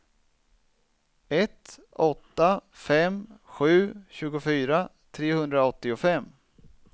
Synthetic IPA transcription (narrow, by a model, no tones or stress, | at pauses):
ɛt̪ | ɔt̪ːafɛmɧʉ̟ːɕʉ̟ːɡʊfyːɾa | t̪ʰɾeːhɵnd̪ɾaɔt̪ːɪʊfɛmː